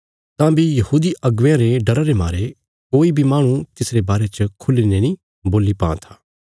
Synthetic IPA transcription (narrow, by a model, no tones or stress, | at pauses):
t̪ãbʱijɐhuːd̪iɐɡʋãɾeɖɐɾaɾemaːɾe | koːibʱimaːɽ̃ũt̪ɪsɾebaːɾet͡ʃəkʰʊlinenĩ | boːlipa̰ːã̰t̪ʰḁː